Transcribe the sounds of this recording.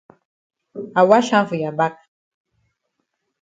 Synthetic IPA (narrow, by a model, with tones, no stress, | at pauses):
a˨wa˦ʃa˦vu˨ja˨ba˦k̚